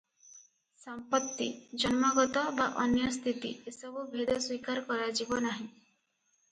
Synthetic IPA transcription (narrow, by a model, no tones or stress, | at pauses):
sɔmpɔt̪ːḭd͡ʒɔnmɔɡɔt̪ɔbaʔɔnjɔst̪ʰit̪ḭesɔbubʱid̪ɔswikaɾkɔɾad͡ʒibɔnaɦĩ